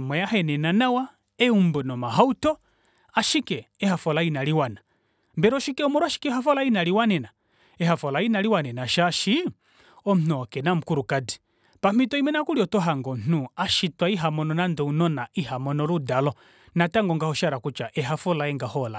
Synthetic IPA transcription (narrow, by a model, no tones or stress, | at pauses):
mɛjahɛnɛnanawa | ɛumbɔnɔmaɦautɔ | aʃikɛɛhafɔlainaliwana | mbɛɾɔʃikɛɔmɔɾuaʃi̥kɛɦafɔlainaliwanɛna | ɛhafɔlainaɾiwanɛnaʃaʃi | ɔm̩n̥uɔkɛnam̩kuɾukadi | pamitɔimɛnakuɾiɔtɔɦaŋɡɔm̩n̥uaʃitwaiɦamɔnɔnandɛunɔnaʔiɦamɔnɔɾudalɔ | nataŋɡɔŋɡahɔʃaɾakut͡ʃaʔɛɦafɔlaɛŋɡahɔla